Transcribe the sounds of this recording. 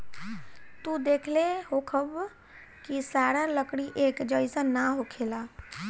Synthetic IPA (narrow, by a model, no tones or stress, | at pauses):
t̪ud̪ekʰleɦokʰəb | kisaɾaləkɽiʔekd͡ʒəjsə̃naɦokʰela